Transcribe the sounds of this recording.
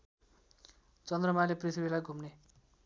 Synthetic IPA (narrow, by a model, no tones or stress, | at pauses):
t͡sʌnd̪rʌmaleprit̪ʰibilajɡʱumne